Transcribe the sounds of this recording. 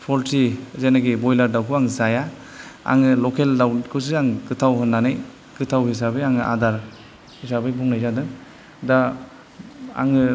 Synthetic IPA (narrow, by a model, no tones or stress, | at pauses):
pʰɔɾtʰizenaɡibɔjlaɾdawkʰuaŋzaja | a̰ŋɯlɔkʰeldawkʰɯs̬aŋkɯtʰawɦɯnːanɯj | kɯtʰawɦis̬abɯjaŋɯʔa̰daɾ | hisabɯjbuŋnajzadɯŋ | da | a̰ŋɯ